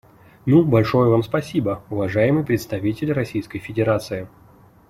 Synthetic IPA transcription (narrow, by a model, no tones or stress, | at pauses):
nubɐlʲʂo̞jəvamspɐsʲibəʊvɐʐajɪmɨjpɾʲɪt̪st̪ɐvʲitʲɪlʲrɐsʲijskəjfʲɪdʲɪɾat̪sɨɪ